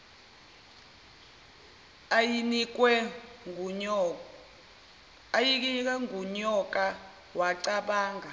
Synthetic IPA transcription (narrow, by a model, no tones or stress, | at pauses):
jinikwɛ | jik̬ik̬ʼɛŋuɲɔk̬ʼa | waǀaɓaːŋɡʱa